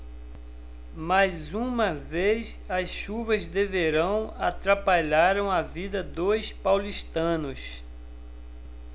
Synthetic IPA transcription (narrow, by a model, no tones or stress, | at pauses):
majzũmɐvejs | ɐsʃuvɐzd̪eveɾɐ̃w̃at̪ɾapaʎaɾɐ̃w̃avid̪ɐd̪ojspawliʃt̪ɐ̃nʊs